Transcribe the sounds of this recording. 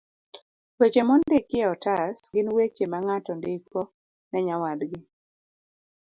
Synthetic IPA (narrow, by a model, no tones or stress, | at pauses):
wet͡ʃemɔndɪkːɪɔtasɡɪnwet͡ʃemaŋatɔndɪkɔ | nɛɲawadɡɪ